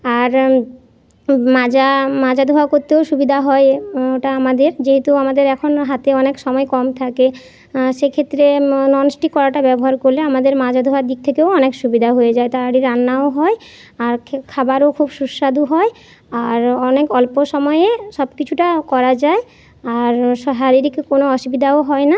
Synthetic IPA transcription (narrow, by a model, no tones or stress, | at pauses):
aɾ | mad͡ʑamad͡ʑad̪ʱuɦakoɾt̪eoʃubid̪ʱaɦɔeoʈaamad̪eɾd͡ʑeɦet̪uamad̪eɾɛkʰonɦat̪eɔnekʃɔmɔekɔmt̪ʰake | ʃekʰet̪ːɾenɔnsʈikɔɾaʈabɛbɔɦaɾkoɾleamad̪eɾmad͡ʑʱad̪ʱuɦaɾd̪ik̚t̪ʰekeoɔnekʃubid̪ʱaɦojed͡ʑaet̪aɾaɽiɾanːaoɦɔe | aɾkkʰabaɾokʰubʃuʃːad̪uɦɔe | aɾɔnekɔlpoʃɔmɔjeʃɔbkit͡ɕʰuʈakɔɾad͡ʑae | aɾʃɦaɾiɾikkonoɔʃubid̪ʱaoɦɔena